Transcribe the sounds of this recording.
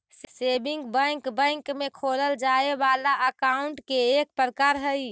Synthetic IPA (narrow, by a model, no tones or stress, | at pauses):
sebiŋɡbə̃ŋkbə̃ŋkmekʰoləld͡ʒaebalaʔəkauɳʈkeːk̚pɾəkaɾɦəj